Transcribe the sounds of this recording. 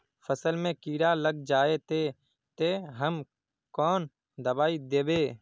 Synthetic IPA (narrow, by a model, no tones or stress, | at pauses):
pʰəsəlmẽːkiːɾaːləɡ̚d͡ʒaːet̪eː | t̪eːɦəm | kɔːn | d̪əbaːid̪eːbeː